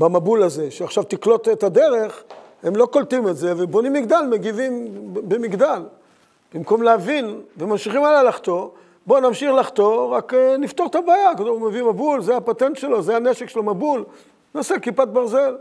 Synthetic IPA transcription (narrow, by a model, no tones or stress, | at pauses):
bamabulaze̞ʃeaχʃavt̪iklo̞t̪et̪ad̪e̞ʁeχ | hemlo̞ko̞lt̪imetze̞vebo̞nimːiɡd̪almeɡivimbemiɡd̪al | b̥imko̞mleavinvemamʃiχimalalaχt̪o̞ | bo̞namʃiχlaχt̪o̞ʁakenift̪oʁt̪abaːjakadomevimabulzeapat̪ent̪ʃelo̞zeaneʃekʃelomabul | nasekipat̪̚baʁzel